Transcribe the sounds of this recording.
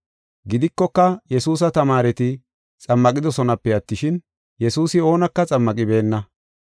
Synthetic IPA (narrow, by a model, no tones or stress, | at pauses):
ɡɪd̪ɪkːɔkːɐjɛsuːs̬ɐt̪ɐmaːɾɛt̪ɪ | t͡sʼɐmːɐkʼɪd̪ɔsɔnɐpːɛɐt̪ːɪʃɪn | jɛsuːsɪo̞ːnɐkːɐt͡sʼɐmːɐkʼɪbe̞ːnːɐ